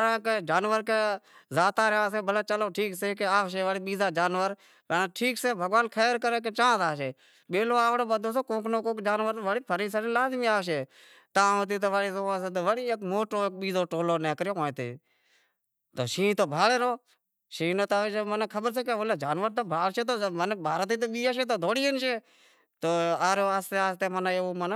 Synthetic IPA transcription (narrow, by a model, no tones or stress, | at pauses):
ɾãːked͡ʒaːnʋəɾkeːzaːt̪aːɾãːs̬ẽːbəlaːt͡ʃəloːʈʰiːkseːkeaːʋʃeːʋəɽiːɓiːzaːd͡ʒaːnʋəɾ | pənːʈʰiːkseːbʱəɡʋaːnkʰeːɾkəɾeːk̬ẽt͡ʃãːt̪aːʃeː | ɓeːloːaːʋɽoːbəd̪ʱoːseːkõːknoːkõːkd͡ʒaːnʋəɾʋəɽiːpʰəɾiːsanẽːlaːzmiːaːʋʃ̬eː | t̪ãːõːt̪̬iːt̪̬oːʋaːɽiːzoːaːs̬et̪oːʋəɽiːekmoːʈoːk̚ɓiːzoːʈoːloːneːkəɾjoːkõːt̪ḛː | t̪oːʃĩːt̪oːbʱaːleːɾoː | ʃĩːnoːt̪aːʋed͡ʒəmənːkʰəɓəɾs̬eːkeʋoːleːd͡ʒaːnʋəɾt̪oːbʱaːlt͡ʃeːt̪oːmənbʱaːɾət̪̬iːt̪̬oːɓiːaːʃeːt̪̬oːd̪ʱoːɽiːənʃeː | t̪oːaːɾjoːaːst̪eːaːst̪eːmənaeoːmənː